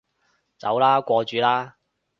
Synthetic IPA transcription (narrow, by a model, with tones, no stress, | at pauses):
t͡sɐ̰˨˥wlaː˥kʷɔː˧t͡ʃyː˨˥laː˥